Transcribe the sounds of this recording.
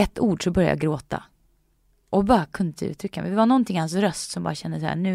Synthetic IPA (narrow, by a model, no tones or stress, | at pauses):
ɛt̪ːuːɖʂɔbœɾja̰j̰a̰ɡɾoːt̪ʰa̰ | ʔɔbɑːɾakʰɵnd̪əʉ̟ːt̪ʰɾʏkːamɛ̰dɛvanɔnt̪ʰɪŋːhansɾœst̪sɔmbɑ̰ɾaɕɛnd̪əshæ̰ːɳʉ̟ː